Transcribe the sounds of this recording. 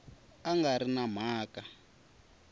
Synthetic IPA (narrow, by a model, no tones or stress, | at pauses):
aŋɡaɾinam̤aːka